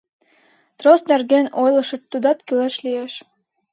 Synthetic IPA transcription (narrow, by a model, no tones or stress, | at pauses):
t̪rost̪nærɡenojlˠɤ̆ʃɤ̆t̪ːud̪ɑt̪kyleʃlijeʃ